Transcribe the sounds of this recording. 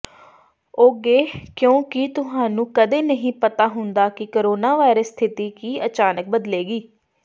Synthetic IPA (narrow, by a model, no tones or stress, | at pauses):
oːɡeːkjõːkɪt̪ʊɦaːnũːkəd̪eːnəɦĩːpət̪aːɦʊnd̪aːkɪkoɾoːnaːʋaːɪɾəsːt̪ʰɪt̪iːkiːət͡ʃaːnək̚bəd̪leːɡiː